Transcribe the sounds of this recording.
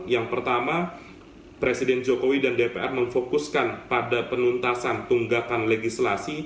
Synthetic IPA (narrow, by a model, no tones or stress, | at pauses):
jaŋpərt̪ama | pɾesidɛnd͡ʒokowidandepeʔɛrməŋfokuskanpadapənunt̪asant̪uŋɡakanleɡislasi